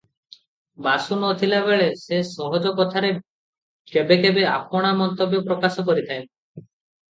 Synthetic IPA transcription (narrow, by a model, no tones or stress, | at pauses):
basunot̪ʰilabeɭesesɔɦɔd͡ʒɔkɔt̪ʰaɾe | kebekebeapɔɽ̃amɔnt̪objɔpɾɔkasɔkɔɾit̪ʰae